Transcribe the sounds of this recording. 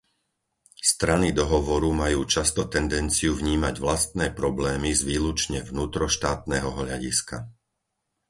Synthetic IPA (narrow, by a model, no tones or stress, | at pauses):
st̪ɾanid̪ɔɦɔʋɔɾumajuːt͡ʃast̪ɔt̪ɛnd̪ɛnt͡siuvɲiːmaɟʋlast̪nɛːpɾɔblɛːmizʋiːlut͡ʃɲɛvnuːt̪ɾɔʃt̪aːt̪nɛːɦɔɦʎaɟḭska̰